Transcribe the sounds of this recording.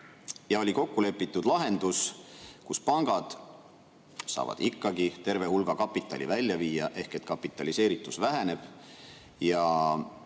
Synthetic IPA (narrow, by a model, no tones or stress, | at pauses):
jɑo̞liko̞kːule̞pˑːit̪ːˑud̪̥lɑɦe̞nd̪uskuspɑŋɡ̥ɑd̪̥ | sɑ̰ːvɑ̰d̪̥ikːˑɑɡit̪e̞rve̞hulɡ̥ɑkɑpːˑit̪ːˑɑ̰lʲḭvælʲːjɑviːjɑʔe̞hke̞t̪kɑpːˑit̪ːˑɑlise̞ːɾit̪ːˑusvæɦæne̞b̥ | jɑ